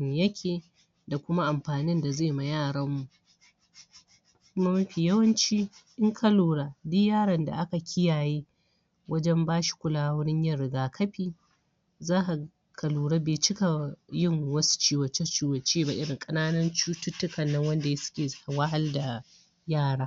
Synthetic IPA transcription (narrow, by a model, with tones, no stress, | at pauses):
jɐ˦kʲʰeː˨ | da˨kʷʊ˦ma˦ʔa˨mɸaː˨nɪ˦nda˨zeː˦˨ma˨jaː˦˨ɽɐ˦mːu˨ʔ | kʷʊ˦ma˦mɐ˦ɸi˨jɐ˦wɐ˦nt͡ʃi˦ʔɪ˦ŋkʰɐ˦luː˨ɽa˨dɪ˦jaː˦˨ɽɐ˨nda̰˨ʔa˦ka˨kʲʰɪ˦jaː˨jiː˦ | wɐ˦d͡ʒɛ˦mbaː˦ʃi̥˨kʷʊ˦laː˦wʊ˦ɽɪ˦ɲjɐ˦ɽɪ˨ɡaː˨kʰɐ˦ɸiː˨ | zaː˦ʔa˨ | kʰɐ˨luː˨ɽa˦beː˨t͡ʃɪ˦ka˨jɪ˦˨ŋwɐ˦su̥˦t͡ʃiː˦wɐ˨t͡ʃe˦t͡ʃiː˦wɐ˨t͡ʃeː˦ba˨ʔɪ˦ɽɪ˨ŋkʼɐ˦naː˦nɐ˦nt͡ʃuː˦tʊ˦tːʊ˦kɐ˨nːɐ˦ŋwɐ˦nda˨je˦sʊ̥˦kʲeː˨zha˨wa˦ɦa˦lda˨ | jaː˦˨ɽaː˦